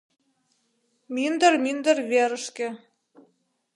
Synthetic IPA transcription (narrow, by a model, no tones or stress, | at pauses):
mind̪ə̆rmind̪ə̆rβeɾə̆ʃkɘ̆